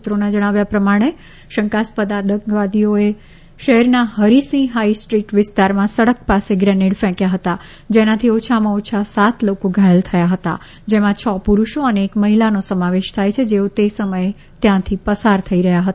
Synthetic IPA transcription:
ut̪ɾonad͡ʒəɽ̃aʋjapɾəmaɽ̃e | ʃəŋkaspəd̪ad̪əŋɡʋad̪ioe | ʃəɦɛɾnahəɾisĩɦaisʈɾiʈʋɪst̪aɾmãsəɽək̚paseɡɾɛniɽfɛ̃kjaɦət̪a | d͡ʒenat̪ʰiot͡ʃʰamãot͡ʃʰasat̪ʰlokoɡʱajəlt̪ʰəjaɦət̪a̰ | d͡ʒemãt͡ʃʰɔpuɾuʃoəneːkməɦilanosəmaʋeʃt̪ʰajt͡ʃʰed͡ʒeot̪esəməje | t̪jãt̪ʰipəsaɾt̪ʰəiɾəɦjaɦət̪a

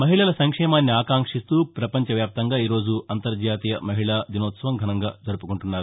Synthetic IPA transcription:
mɐɦiɭɐlɐsɐŋkʂɛːmaːnːiaːkaːŋkʂist̪uːpɾɐpɐɲt͡ʃɐʋjaːp̚t̪ɐŋɡaːiːɾo̞ːd͡ʒuɐnt̪ɐɾd͡ʒaːt̪ijɐmɐɦiɭaːd̪inoːt̪sɐʋɐmɡʱɐnɐŋɡaːd͡ʒɐɾupukuɳʈunːaːɾu

